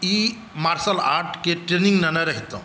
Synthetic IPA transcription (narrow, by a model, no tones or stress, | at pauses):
i | maɾsəlaɾʈkeʈɾeniŋɡnanaɾaɦit̪ə